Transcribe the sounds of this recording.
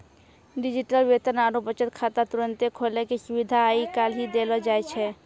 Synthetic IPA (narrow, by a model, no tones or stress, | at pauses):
ɖɪd͡ʒiʈəlʋet̪ənaːɾubət͡ʃət̪̚kʰaːt̪at̪uɾənt̪ekʰolekeʃubid̪ʱaaikaːlɦid̪elɔd͡ʒajt͡ʃʰɛ